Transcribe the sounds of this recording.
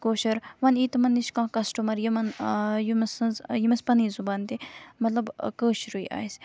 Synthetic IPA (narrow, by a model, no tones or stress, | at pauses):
koːʃɐɾʋɐniːt̪ɐmɐnːiʃkãːkɐsʈumɐɾjimɐnjimɐsɐnzjimɐspɐniːzubaːnt̪emɐt̪lɐbkəːʃɾuiʔa̰ːjs